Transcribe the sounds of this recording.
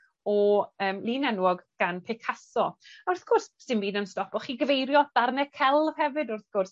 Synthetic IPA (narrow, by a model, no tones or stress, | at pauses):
ɔəːmlˠiːnɛnwɔɡɡ̥anpʰekʰasɔʊrθɡ̥ɔrssɨnviːdənstɔpɔχiːɡəvejɾjɔd̥arnɛkʰɛlˠv̥hɛvɨdʊrθɡ̥ʊrs